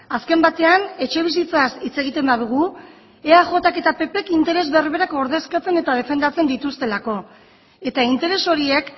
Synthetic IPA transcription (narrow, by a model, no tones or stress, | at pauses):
aske̞mbat̪e̞ane̞t͡ʃe̞β̞is̬it͡sasit͡se̞ɣit̪e̞mbaðuɣ̞u | eaʝo̞t̪ake̞t̪ape̞pe̞kint̪e̞ɾe̞zβe̞rβe̞ɾako̞ɾðe̞skat͡se̞ne̞t̪að̞e̞fe̞nd̪at͡se̞nd̪it̪ust̪e̞lako̞ | e̞t̪aint̪e̞ɾe̞so̞ɾie̞k